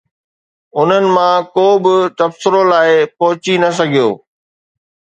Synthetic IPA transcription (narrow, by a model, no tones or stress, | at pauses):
ʊn̤ənɪ̆mãkoːbɪt̪ɐbsɪɾolaːɪpɐɦʊt͡ɕinɐs̬ɐɡʱijo̰ː